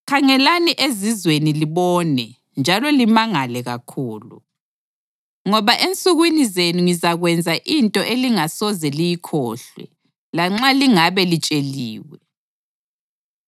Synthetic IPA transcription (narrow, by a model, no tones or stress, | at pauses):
kʰaŋɛlaniʔezizweniliβɔːnɛ | nd͡ʒʱalɔlimaŋalɛɣakʰuːlṵ | ŋɔβaʔent͡sʼuɣwinizenuŋizaɣwɛnd͡zʱaʔintʼɔʔeliŋasɔzɛlijikʰɔ̰ːɬwɛ̰ | laŋ͡ǁaliŋaβɛlit͡ʃʼeliːwɛ